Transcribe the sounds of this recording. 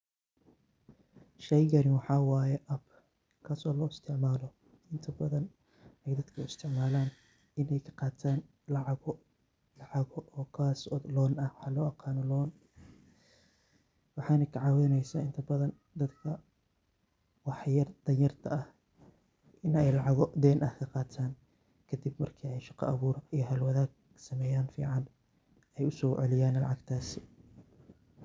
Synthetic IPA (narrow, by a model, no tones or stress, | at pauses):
ʃɛjɣɐnɪwɑħɑːwaːjɛʔɐb | kʰaːsɔːlɔːɪst̪ʰɪʕmaːlɔ | ʔɪnt̪ʰɐbɐðɐn | ɛjd̪ɐd̪kʰɐɪst̪ʰɪʕmaːlaːn | ɪnɛjkʰɐ̥qɑːt̪ʰaːn | lɑʕɑɣɔ | lɑʕɑɣɔʔɔːkʰaːsɔːd̪lɔːnɐwħɑːlɔːɑqɑːnɔlɔːn | wɑħɑːnɐkʰɐʕɑːwɛjnɛjsaːɪnt̪ʰɐbɐðɐn | d̪ɐd̪kʰɐ | wɑħjɐrd̪̥ɐnjɐrt̪ʰɐɐh | ɪnɛjlɑʕɑɣɔd̪ɛːnʔɐhkʰɐqɑːt̪ʰaːn | kʰɐd̪ibmɐrkʰiɛjʃɑqɑ̰ʔɐβuːɾɐijɞɦɐlwɐðaːɡ̚ | sɐmɛːjaːnfḭːʕɑn | ɛjʊsɔːʕɛlɪjaːnlɑ̰ʕɑɡt̪ʰaːsɪ